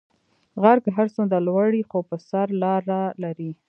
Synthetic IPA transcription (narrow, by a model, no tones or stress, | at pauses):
ɣaɾɡɦaɾsond̪alwaɽixopəsaɾlɑɾalaɾi